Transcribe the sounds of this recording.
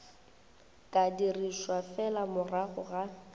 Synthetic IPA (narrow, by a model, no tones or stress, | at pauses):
kʼadiriʃwafɛlamʊraɣʊɣa